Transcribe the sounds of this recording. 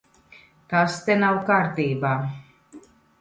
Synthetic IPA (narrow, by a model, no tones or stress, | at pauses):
t̪ast̪enawkaɾt̪iːbaː